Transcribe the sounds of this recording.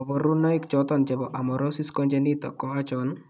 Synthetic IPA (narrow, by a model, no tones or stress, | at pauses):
ɔbɔɾunɔikt͡ʃɔt̪ɔnt͡ʃɛbɔʔamɔɾɔsiskɔnd͡ʒɛnit̪ɔ̰kɔat͡ʃɔn